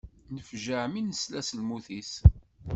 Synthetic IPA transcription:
nəfʒəʕminəslæsəlmuθis

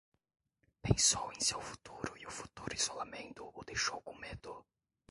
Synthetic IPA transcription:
pẽsowẽsewfu̥t̪uɾʊiʊfu̥t̪uɾʊiz̥olamẽnt̪ʊʊd̪ejʃowkõmed̪̥ʊ

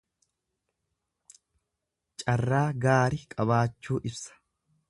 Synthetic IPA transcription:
t͡ʃʼɐrːaːɡaːɾɪkʼɐβaːt͡ʃːuːʔɪbsɐ̥

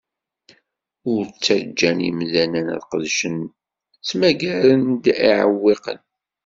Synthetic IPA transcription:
ʊɾt͡sːəɾd͡ʒːænḭmðænænæ̰ðqəðʃən | t͡smæɡæɾənd̪iʕə̰wːeqə̰n

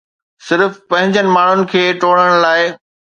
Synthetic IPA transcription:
sɪɾfpɐ̃ɦɪ̃ɲd͡ʑənɪ̆maːɳ̤ʊnɪ̆kʰeːʈoːɽ̤əɽ̃laːɪ

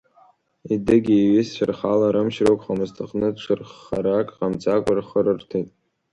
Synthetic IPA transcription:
idɨɡʲiiɥɪst͡ʃʷʰarχalaɾɨmʃrowkʷʼχamɨztʰɨχnɨdʈ͡ʂʰʷɨrχaɾakʼqamt͡sakʷʼarχərɨrtʰejtʼ

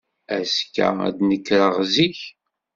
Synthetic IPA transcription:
æskːæ̰æ̰d̪nəkːɾəʁziç

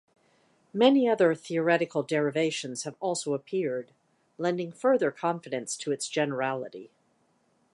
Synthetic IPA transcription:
mɛniʌðə˞θiə˞ɛɾɨkl̩ˠdɛɹɨveɪʃɨ̃nz̥ɨvɔlˠsoʊəpʰɪɹd | lɛ̃ndɪ̃ŋfɜ˞ðə˞kʰɑ̃ɱfɨɾɨ̃nstʰɨɨtsd̥ʒ̥ɛnə˞ælˠəɾḭ

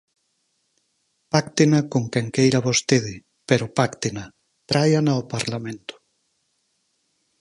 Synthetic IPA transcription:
pakt̪enakoŋkɛŋkejɾaβost̪eð̞ɪ | peɾopakt̪ena | t̪ɾajanaopaɾlamẽnt̪ʊ̥

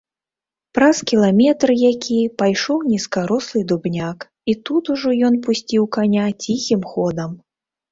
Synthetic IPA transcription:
pɾaskʲilˠamʲɛt̪ɾɨjakʲʰipajʂɔwnʲiskaɾɔslˠɨd̪ubnʲak | it̪ut̪uʐɔjɔnpusʲt͡sʲiwkanʲat͡sʲixʲimxɔd̪ɐm

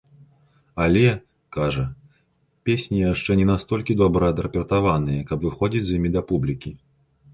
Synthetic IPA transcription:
alʲɛ | kaʐɐ | pʲesʲnʲijaʂt͡ʂɛnʲɛnast̪ɔlʲkʲid̪ɔbɾɐɐd̪ɾɐpʲɛrt̪avanɨjɐkɐbvɨxɔd͡zʲid͡zʲzjimʲid̪ɐpublʲikʲi

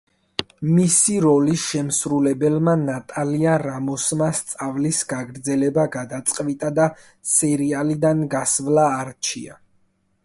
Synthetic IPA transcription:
misiɾɔliʃɛmsɾulɛbɛlmanat̪ʼaliaɾamɔsmast̪sʼavlisɡaɡɾd̪zɛlɛbaɡad̪at̪sʼqʼvit̪ʼad̪a | sɛɾialid̪anɡasvlaːɾt͡ʃʰḭa̰

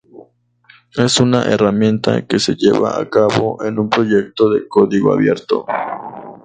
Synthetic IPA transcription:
e̞sunaʔeramje̞nt̪a̰keseʎeβaakaβo̞ʔenumpɾo̞ʝe̞k̚t̪oðekoðiɣoa̰βje̞ɾt̪o̰

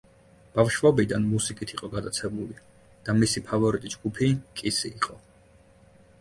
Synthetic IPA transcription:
b̥afʃvɔbid̪anmusikʼit̪ʰiqʼɔɡad̪at̪sʰɛbuli | d̪̥amisipʰavɔɾit̪ʼid͡ʒɡupʰikʼisiːqʼɔ

